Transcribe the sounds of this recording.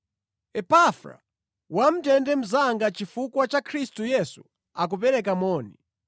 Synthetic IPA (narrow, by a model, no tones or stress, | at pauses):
ɛpafɾa̰ | wam̩tɛndɛm̩zaŋɡat͡ʃifukwat͡ʃakʰɾistujɛsu̥ | ak̬up̬ɛɾɛkamɔːni